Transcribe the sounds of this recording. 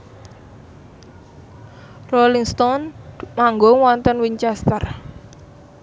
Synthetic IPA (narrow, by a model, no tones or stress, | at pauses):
rɔliŋst̪ɔnmaŋɡoŋwɔnt̪ənwiɲt͡ʃɛst̪ər